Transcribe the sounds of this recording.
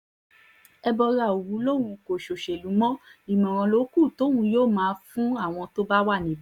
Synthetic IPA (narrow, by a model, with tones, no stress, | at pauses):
ɛ˧bɔ˧ɾa˧˨o˨wu˨˦lo˦˨w̃ũ˧ko˨ʃo˨ʃe˨lu˨˦mɔ̃˦i˨mɔ̃˨ɾ̃ɔ̃˧lo˨˦ku˦˨to˨˦wũ˧˦joː˦˨mãː˨˦fũ˦a˦˨w̃ɔ̃˧to˦ba˦wa˦˨nĩ˨b